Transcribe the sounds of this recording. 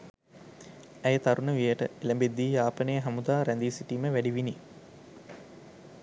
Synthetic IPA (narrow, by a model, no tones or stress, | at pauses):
æjət̪aɾunəʋijəʈəeləmbed̪ːiːjaːpənejəɦamud̪aːɾænd̪iːsiʈiːməʋæɖiʋini